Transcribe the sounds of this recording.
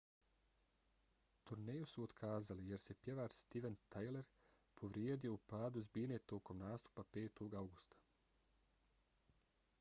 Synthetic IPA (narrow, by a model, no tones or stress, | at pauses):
t̪uɾnejusuod̪kʰaːzalije̞ɾse̞pje̞ʋaːɾst̪iʋent̪ajle̞ɾ | pʰo̞ʋɾjeːd̪ijo̞upaːd̪uzbiːneːt̪o̞ːko̞mnaːst̪u̥pape̞ːt̪o̞ɡawɡust̪ḁ